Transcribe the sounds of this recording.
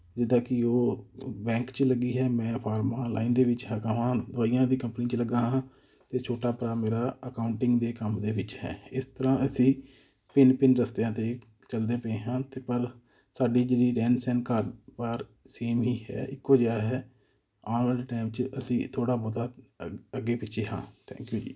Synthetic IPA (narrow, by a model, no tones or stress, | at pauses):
d͡ʒɪd̪ãːkɪoːbɛ̃ːŋkt͡ʃləɡiːɦɛːmɛ̃ːpʰaːɾmaːla̰ːiːnd̪eːʋɪt͡ʃɦəɾkãːʋãːd̪aːɪjãːd̪iːkəmpnĩːt͡ʃləɡãːɦãː | t̪eːt͡ʃʰoːʈaːpəɾaːmeːɾaːəkaːʊɳʈɪ̃ŋɡd̪eːkəmd̪eːʋɪt͡ʃhɛ̰ːɪst̪əɾãːəsĩː | pɪnpɪnɾəst̪eãːt̪eː | t͡ʃəld̪eːpəẽːɦãːt̪eːpəɾ | saːɖiːd͡ʒeːɽiːɖɛːnsɛ̃ːnkəɾpəɾ | seːmɦiːɦɛ̰ːɪkoːd͡ʒaːɦɛː | aːnlaːɳʈaːɪmt͡ʃəsĩːt̪ʰoːɽaːbod̪aːəɡeːpɪt͡ʃʰeːɦã̰ːt̪ʰɛ̰̃ːŋkjuːd͡ʒiː